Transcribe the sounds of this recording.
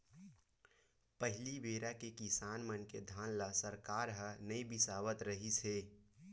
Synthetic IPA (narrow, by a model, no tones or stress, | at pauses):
pəɦɪlibeːɾakekisaːnmənked̪ʱaːnlasəɾkaːɾɦənəibɪsaːʋət̪ɾəɦiseː